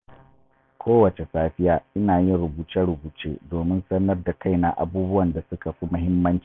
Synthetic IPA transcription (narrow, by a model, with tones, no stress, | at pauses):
kʰʷoː˦wɐ˨t͡ʃe˨saː˦ɸɪ˦jaː˦ʔɪ˦naː˨jɪ˦nɽʊ˨buː˨t͡ʃɛ˦ɽʊ˨buː˨t͡ʃeː˦doː˨mɪ˦nsɐ˦nɐ˦rda˨kʰa˦˨jna˨ʔa̰˨buː˦bʊ˦wɐ˨nda˨sʊ˦ka˨ɸi˦mʊ˦ɦɪ˦mːɐ˦nt͡ʃi̥˦˨